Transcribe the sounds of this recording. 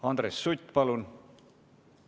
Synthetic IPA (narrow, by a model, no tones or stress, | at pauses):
ɑnd̪ɾesːut̪ʲːpɑlun